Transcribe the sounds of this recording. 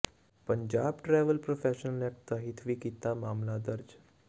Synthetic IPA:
pənd͡ʑabʈɾɛʋəlpɾofɛɕənəlak̚t̪əɦit̪ʰʋiːkit̪amamlad̪əɾd͡ʑ

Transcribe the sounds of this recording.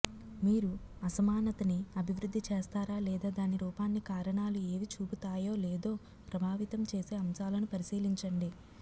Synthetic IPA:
miːɾuɐsɐmaːnɐt̪ɐniɐbʱiʋɾud̪ʱːit͡ʃeːst̪aːɾaːlɛːd̪aːd̪aːniɾuːpaːnːikaːɾɐɳaːlue̞ːʋit͡ʃuːput̪aːjo̞ːleːd̪o̞ː | pɾɐbʱaːʋit̪ɐmt͡ʃe̞ːse̞ːɐmsaːlɐnupɐɾisiːliɲt͡ʃɐɳɖi

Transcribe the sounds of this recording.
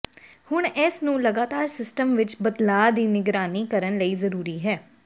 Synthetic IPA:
hʊɳɛsnũːləɡaːt̪aːɾsɪsʈəmʋɪt͡ʃbəd̪laːd̪iːnɪɡɾaːniːkəɾənləiːzəɾuːɾiːɦɛː

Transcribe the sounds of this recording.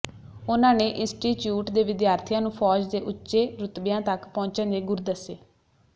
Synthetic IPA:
ʊnãːneːʔɪ̃sʈiːt͡ʃjuːʈd̪eːʋɪd̪jaːɾt̪ʰijãːnũːpʰɔːd͡ʒd̪eːʔʊtːʃeːɾʊt̪bɪjãːt̪əkpɔ̃ːɲt͡ʃə̃nd̪eːɡʊɾd̪əseː

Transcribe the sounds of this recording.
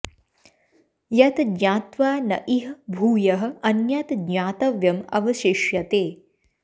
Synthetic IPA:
jɐt̪d̪ɲaːt̪ʋaːnɐ̰ʔiɦbʱuːjɐɦə̆ɐnjɐt̪d̪ɲaːt̪ɐʋjɐmɐ̰ʋɐʃiʃjɐt̪eː

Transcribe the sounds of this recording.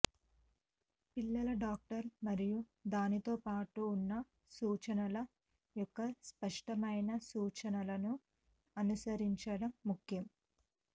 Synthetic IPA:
pilːɐlɐɖaːk̚ʈɐɾmɐɾiju | d̪aːnit̪o̞ːpaːʈuːnːɐ | suːt͡ʃɐnɐlɐ | jɔkːɐspɐʂʈɐmɐjnɐsuːt͡ʃɐnɐlɐnu | ɐnusɐɾiɲt͡ʃɐɽɐmːukʰjɐm

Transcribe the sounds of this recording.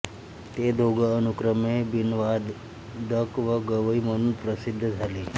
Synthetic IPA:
t̪ed̪ʱoɡəːnukɾəmebinʋad̪ | d̪ʱəkʋəɡəʋəiməɽ̃uːnpɾəsid̪ʱːd͡zʱaleː

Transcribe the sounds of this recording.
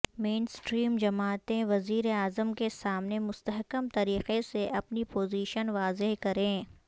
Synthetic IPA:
mẽːnsʈɾiːmd͡ʒɐmaːt̪ẽʋɐziːɾeaːzəmkesaːmnemʊst̪əɦkəmt̪ɐɾiːqeseʔɐpnipoːziːʃənʋaːzeɦkɐɾẽː

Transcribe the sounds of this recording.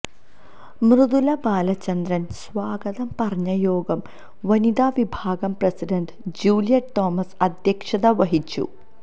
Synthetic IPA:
mrɨðulɐbaːlɐt͡ɕːɐnd̪ɾɐnsʋaːɡɐðɐmpɐrɐɲːɐjo̞ːɡɐm | ʋɐnid̪aːʋibʱaːɡɐmprɐsiɖɐɳɖɨd͡ʑuːlijɐʈʈoːmɐsɐd̪ʱjɐkʂɐðɐʋɐɦit͡ɕːṵ

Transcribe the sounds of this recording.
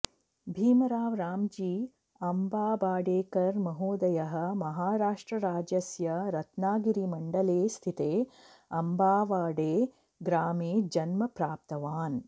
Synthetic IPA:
bʱiːmɐɾaːʋɾaːmd͡ʒiː | ɐmbaːbaːɖeːkɐɾmɐɦoːd̪ɐjɐɦɐ̆mɐɦaːɾaːʂʈɾɐɾaːd͡ʒɐsjɐɾɐt̪naːɡiɾimɐɳɖɐleːst̪ʰit̪eː | ɐmbaːʋaːɖeː | ɡɾaːmeːd͡ʒɐnmɐpɾaːp̚t̪ɐʋaːn

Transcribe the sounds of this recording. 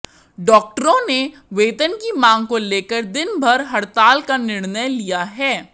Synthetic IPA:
ɖɔːk̚ʈəɾõne | ʋeːt̪ənkimãːŋɡkoleːkəɾd̪ɪnbʱɐɾɦɐɽt̪aːlkanɪɽnəjlijaɦɛː

